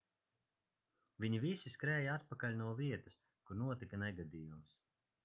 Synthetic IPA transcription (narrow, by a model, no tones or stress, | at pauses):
viɲivisiskɾɛːjaat̪̚pakaʎʲnuɔviɛt̪ɐs | kuɾnuɔt̪ikɐnɛɡad̪iːjums